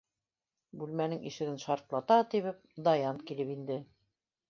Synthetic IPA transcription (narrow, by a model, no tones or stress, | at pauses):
bʉlmænɘŋḭʃɘ̆ɡɘnʃɑɾt̪lˠɑt̪ɑt̪iβɘp̚d̪ɑjɑnkilɘpind̪ɘ